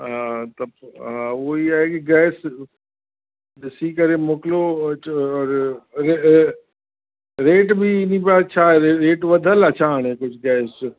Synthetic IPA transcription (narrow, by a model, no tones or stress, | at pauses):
ãt̪ɐbãʋoːiaːɦekiɡɛːɪs | siːkəɾemoklo | ɔːɾɾe | ɾeːʈbʱinĩpat͡ʃʰaɾeɾeːʈʋɐd̪ʱələt͡ʃʰaɦaɽ̃ekʊt͡ʃʰɡɛːs